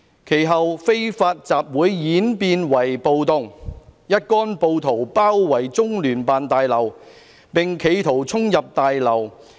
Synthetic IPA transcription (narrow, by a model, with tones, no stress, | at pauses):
kʰe˨˩jɦɐ˨wfe˥jfaː˧t̚t͡saː˨p̚wuː˨˥jːiː˨˥npiː˧nwɐ˨˩jpo˨wt̪ʊ˨ŋjɐ˥t̚kɔː˥npo˧wt̪ʰo˨˩wpaː˥wːɐ˨˩jt͡sʊ˥ŋlyː˨˩npaː˨nt̪aː˨jlɐ˨˩w | pɪ˨ŋkʰe˨˧jt̪ʰo˨˩wt͡sʰʊ˥ŋjɐ˨p̚t̪aː˨jlɐ˨˩w